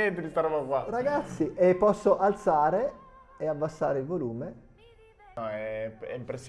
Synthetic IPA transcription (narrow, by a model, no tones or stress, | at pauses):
ent̪et̪ist̪aɾɔbakwaraɡat̪sːiʔepːɔsːoʔalt̪saːɾe | eabːasːaːɾeilvoluːme | ɔɛɛ̰impɾesː